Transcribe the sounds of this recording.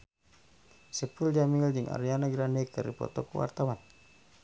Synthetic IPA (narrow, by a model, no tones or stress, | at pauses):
sɛpuld͡ʒamild͡ʒiŋa̰ɾianaɡɾanɛkəɾḭpɔ̰t̪ɔkuwa̰rt̪awan